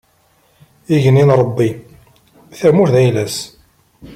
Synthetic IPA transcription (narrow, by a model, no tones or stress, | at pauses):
iʝəninɾˤəbːi | θəʕmuɾðæjlæs